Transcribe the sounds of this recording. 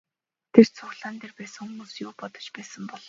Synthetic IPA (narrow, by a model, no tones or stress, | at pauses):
t̪ʰer̥t͡sʰʊxɮaːnt̪erpæːsə̆ŋxʊmuːsjʊːpɔt̪ɞ̥̆t͡ɕpæːsə̆mpɔɮ̥ɞ̆